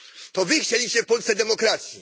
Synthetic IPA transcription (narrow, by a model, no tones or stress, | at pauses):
t̪ɔvɘxt͡ɕelʲiɕt͡ɕɛfpɔlt̪sɛd̪ɛmɔkɾat̪sʲji